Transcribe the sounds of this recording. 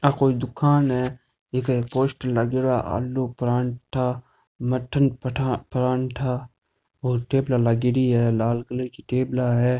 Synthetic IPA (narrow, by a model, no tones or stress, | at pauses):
akoːid̪ʊkʰaːnɦɛ | ekaekpoːʃʈəlːaɡɪɾaʔa̰ːlːopɾaːɳʈʰa | məʈʰənpəʈʰapɾãːɳʈʰa | oːɾʈeːblalaɡɪɾiɦɛːlaːlkələɾkiʈeːblaɦɛː